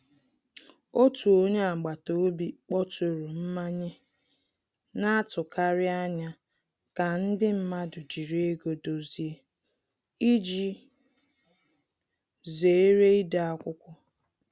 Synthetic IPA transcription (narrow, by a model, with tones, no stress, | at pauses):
o˦tu˨o˦ɲe˦a˨ɡ͡ba˨to˨o˦bi˨k͡pɔ˦to˨ɾu˨m̩˦ma˦ɲe˦ | na˦tʊ˨ka˦ɾɪ˦a˦ɲa˦ | ka˨n̩˦dɪ˦m̩˦ma˦dʊ˨d͡ʒi˨ɾe˦e˦ɡo˨do˨zi˨e˦ | i˦d͡ʒi˦ | ze˨e˦ɾe˦i˦da˨a˦kʷʊ˦kʷʊ˦